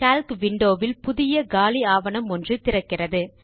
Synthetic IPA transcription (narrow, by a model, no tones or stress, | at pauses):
kaːlkʋɪɳɖoːʋɪlpʊðɪjɐɡaːliaːʋɐnɐmɔndrɯt̪ɪrɐkːɪrɐðɯ